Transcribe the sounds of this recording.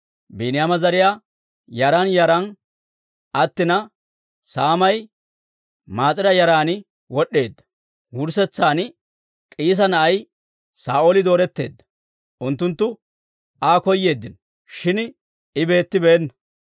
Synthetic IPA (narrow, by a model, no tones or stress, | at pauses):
biːnɪjamɐzɐɾɪjaː | jɐɾɐnjɐɾɐn | ʔɐt̪ːɪnɐ | saːmɐj | maːt͡sʼɪɾɐjɐɾaːnɪ | wɔɗːe̞ːd̪ːɐ̥ | wʊɾsɛt͡sːaːn | kʼiːs̬ɐnɐʔɐj | saːʔoːlɪd̪o̞ːɾɛt̪ːe̞̰ːd̪ːɐ̥ | ʔʊnt̪ːʊnt̪ːʊ | aːkɔjːe̞ːd̪ːɪn | ʃɪn | ɪbe̞ːt̪ːɪbeːnːɐ